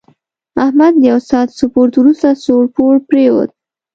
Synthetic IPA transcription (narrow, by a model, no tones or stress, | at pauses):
ahmad̪ːəjawsɑt̪sʊpoɾt̪wɾust̪asoɾpoɽpɾewo̰d̪̚